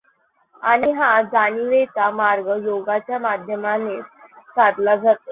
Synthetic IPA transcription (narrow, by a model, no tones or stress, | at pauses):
aɽ̃iɦãd͡zañiʋet̪amaɾɡəjoɡat͡ɕjamad̪ʱjəmanet͡ssaɾlad͡zʱat̪e